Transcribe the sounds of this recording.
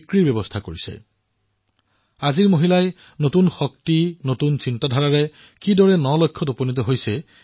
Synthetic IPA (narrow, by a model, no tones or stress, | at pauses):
kɹibjɔbɔstʰakoɹisɛ̰ | aziɹmoɦilaj | notunxɔk̚tinotunsintadʱaɹaɹɛ | kidɔɹɛnɔlɔkʰːɔtoponit̬ɔɦojsɛ